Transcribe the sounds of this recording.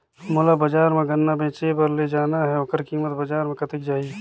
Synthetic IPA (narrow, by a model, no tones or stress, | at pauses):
molabɐd͡ʒaːɾmẽɡɐnːabẽːt͡ʃepɐɾled͡ʒaːnaɦɛoːkəɾkiːmət̪bɐd͡ʒaːɾmẽkɐt̪ɪk̚d͡ʒaːi